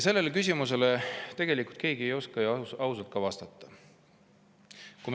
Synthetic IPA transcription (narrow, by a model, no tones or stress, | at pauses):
se̞lːe̞lekysʲimus̬e̞le̞t̪e̞ɡ̥e̞likˑult̪̚ke̞ːɡ̥ie̞jo̞skɑjɑwsɑlt̪̚kɑvɑst̪ɑt̪ˑːɑ̥ | kum